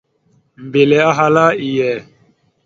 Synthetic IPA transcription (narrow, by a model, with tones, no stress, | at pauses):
m̩˨be˨lɛ˨˦a˦ɦa˦la˦i˨jɛ˨